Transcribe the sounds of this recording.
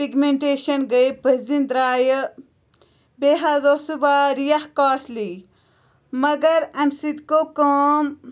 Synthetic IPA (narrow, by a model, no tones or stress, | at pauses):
piɡmẽɳʈeːʃɐnɡɐjpɐzind̪ɾaːjə | beːɦazosuʋaːɾijɐhkaːsli | mɐɡɐɾɐmsit̪kokoːm